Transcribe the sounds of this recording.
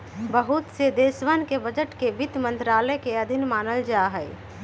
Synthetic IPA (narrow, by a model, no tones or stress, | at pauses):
bəɦut̪sed̪eːsʋənkebəd͡ʒəʈkebɪt̪mə̃nt̪ɾaːləjkeəd̪ʱɪnmaːnəld͡ʒaɦɛe